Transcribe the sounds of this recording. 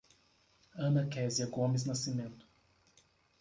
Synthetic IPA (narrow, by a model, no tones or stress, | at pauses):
ɐ̃mɐkɛziɐɡõmɪznasimẽnt̪ʊ̥